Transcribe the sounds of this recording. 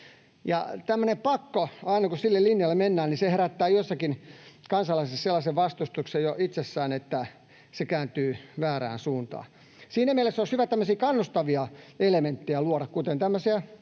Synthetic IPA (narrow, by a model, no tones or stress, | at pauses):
jɑ̰t̪æmːønepɑkːoɑinɑkusilːellinjɑlːemenːæːnniseheræt̪ːæːjosːɑkinkɑnsɑlɑisesselːɑseʋʋɑst̪ust̪uksejjoʔit̪sesːæːnet̪ːæ | sekæːnt̪yːʋæːræ̰ːnsuːnt̪ɑ̰ː | siːnæmielesːoshyʋæt̪æmːøsiːkɑnːust̪ɑʋiɑelement̪ːijæluɑɾɑkkut̪ent̪æmːøsiæ